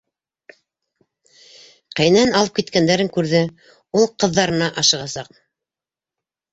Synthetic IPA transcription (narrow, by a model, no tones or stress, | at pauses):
qæjnænɑlˠɤpkit̪kænd̪æɾɘŋkʉɾðɘ | ulˠqɤ̆ðːɑɾɤ̆nɑʔɑʃɤ̆ʁɑsɑq